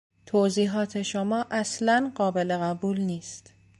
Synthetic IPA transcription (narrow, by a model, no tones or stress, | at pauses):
t̪ʰoːziːɦɒːt̪ʰe̞ʃomɒːʔæslænɢɒːbe̞le̞ɣæbuːlniːst̪